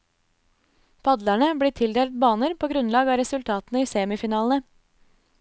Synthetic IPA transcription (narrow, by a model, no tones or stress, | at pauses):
pʰɑd̪læɳəbɽiːt̪ʰɪld̪eːlt̪̚bɑːnəɾpʰoːɡɾʉnlɑːɡɑːɾɛsʉlt̪ʰɑːt̪n̩əiːseːmɪfɪnɑːln̩ə